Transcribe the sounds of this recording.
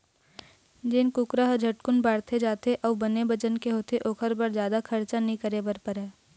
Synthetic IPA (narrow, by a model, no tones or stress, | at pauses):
d͡ʒɪnkʊkɾəɦd͡ʒʱɐʈkʊnbaːɾt̪ʰed͡ʒaːt̪eʔɔːʋbɐnebɐd͡ʒənkeɦoːt̪eʔoːkʰəɾbəɾd͡ʒjaːd̪akʰɐɾt͡ʃanikəɾebɐɾpəɾɦɛː